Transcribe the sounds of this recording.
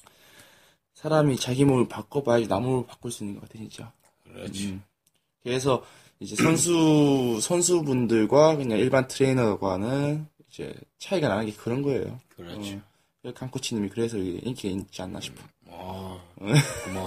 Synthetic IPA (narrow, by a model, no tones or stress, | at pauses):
sʰaɾamit͡ɕaɡimopak͈ʌpajd͡ʑinamuɭpḁk͈uɭs͈uinːɯnɡʌk͈atʰeɕʰint͡ɕ͈a | ɾ | kes̬ʰʌ | id͡ʑe̞sʰʌns̬ʰusʰʌnsʰubundɯɭɡwakɯɲaŋiɭbantʰɯɾe̞inʌɡwanɯnid͡ʑe̞̰t͡ɕʰaiɡananɯnŋɡe̞kɯɾʌnɡʌe̞̰jo̰ | kekaŋk͈ʰut͡ɕʰinɲimikɯɾe̞sʰʌiɡeʔink͈ʰieit͡ɕ͈ia̰nːa̰ɕʰi̥pʰo | e